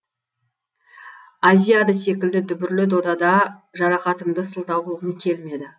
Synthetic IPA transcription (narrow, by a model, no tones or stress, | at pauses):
azijad̪ɑse̞kʲɪld̪ɪd̪ʏbɪɾlɪd̪o̞d̪ɑd̪ɑʒɑɾɑqɑt̪əmd̪əsəlˠd̪ɑwʁəlˠʁəŋkʲʰe̞lme̞d̪ɪ